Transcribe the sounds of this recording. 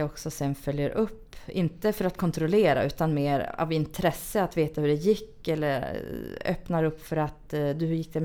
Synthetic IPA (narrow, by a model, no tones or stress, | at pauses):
ɔksɔsɛnfœljəɾʔɵpːɪnt̪əfœɾat̪kʰɔnt̪ɾɔleːɾa̰ʔʉ̟ːt̪anmeːɾa̰vɪnt̪ʰɾɛsːəat̪veːt̪ahɵɖɛjɪkːɛlːəɾœ̰pnaɾɵpːfœɾat̪d̪ɵhjɪk̚ːd̪ɛ